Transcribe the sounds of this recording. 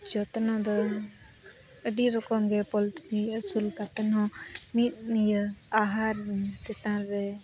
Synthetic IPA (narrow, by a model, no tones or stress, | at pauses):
d͡ʒɔt̪nɔ̃d̪ɔ | əɖiɾɔkɔmɡɛpɔlʈniəsulkap̪ɛnɦɔ̃mit̪̚nijəaɦaɾt̪ɛt̪ãɾɛ